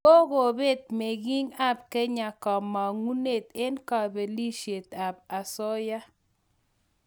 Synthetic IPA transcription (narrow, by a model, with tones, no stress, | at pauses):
o˦ɣo˨be˦˨t̪̚me˨ɡi˦ŋa˦˨b̚kɛ˦ɲa˨kɔ˨ma˨ŋu˦ne˨t̪e˦nka˨be˨li˦ʃe˨t̪a˨b̚a˨sɔ˦ja˦